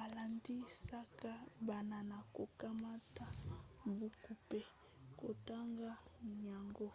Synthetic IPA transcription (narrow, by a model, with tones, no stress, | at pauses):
a˨la˨ndi˦sa˦ka˦ba˨na˨na˨ko˨ka˦ma˦ta˦mbu˦ku˨pe˦ | ko˨ta˦ŋɡa˦ɲa˨ŋɡo˦